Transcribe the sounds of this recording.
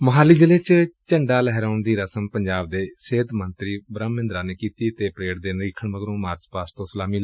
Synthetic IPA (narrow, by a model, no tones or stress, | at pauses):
məɦaːliːd͡ʒəleːt͡ʃt͡ʃəɳɖaːlɛɦɾaːɳd̪iːɾəsəmpəɲd͡ʒaːb̚d̪eːseːt̪mənt̪ɾiːbɾəmːɪ̃nd̪ɾaːneːkiːt̪iːt̪eːpɾeːɽd̪eːnɾiːkʰəɳʋəɡɾõːmaːɾt͡ʃpaːst̪õːsəlaːmiːl